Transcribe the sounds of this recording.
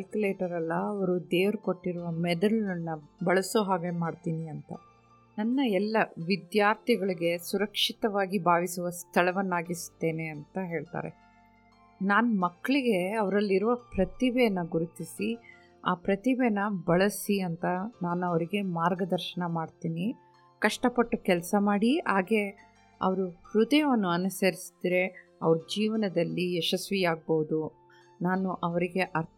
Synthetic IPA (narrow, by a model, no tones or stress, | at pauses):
kɐlkuleːʈɐɾɐlːɐːʋɐɾud̪eːʋɐɾukoʈːiɾuʋɐmɛd̪ɐlnːɐbɐɭɐsoɦaːɡemaːɖt̪iːniɐnt̪ɐ̰ | nɐnːɐɛlːɐʋid̪jaːɾt̪ʰiɡɐɭiɡe̞suɾɐkʂit̪ɐʋaːɡibʱaːʋisuʋɐst̪ʰɐɭɐʋɐnːaːɡist̪ːe̞ːne̞ɐnt̪ɐɦe̞ːɭt̪a̰ːɾḛ | naːnumɐkːɐɭiɡe̞ɐʋɐɾɐlːiɾuʋɐpɾɐt̪ibenɐɡuɾut̪isi | a̰ːpɾɐt̪ibenɐbɐɭɐsiɐnt̪ɐnaːnuɐʋɐɾiɡe̞maːɾɡɐd̪ɐɾʃɐɳɐmaːɖt̪iːni | kɐʂʈɐpɐʈːukɛlsɐmaːɽiaːɡe̞ | ɐ̰ʋɐɾuhɾud̪ɐjɐʋɐnːuɐnusɐɾisi̥d̪ɾe̞ | ɐʋɐɾud͡ʒiːʋɐnɐd̪ɐlːiɛʃɐsʋijaːɡ̚boʋud̪u | naːnuʔɐʋɐɾiɡe̞ʔɐɾ